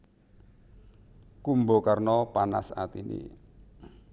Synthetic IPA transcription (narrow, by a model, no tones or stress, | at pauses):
kumbokarnɔpana̰sa̰t̪inʔḭ